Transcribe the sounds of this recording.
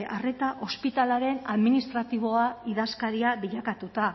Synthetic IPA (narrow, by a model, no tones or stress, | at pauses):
ʔare̞t̪aʔo̞spit̪alaɾe̞naðminist̪ɾat̪iβ̞o̞aiðaskaɾiaβiʎakat̪ut̪a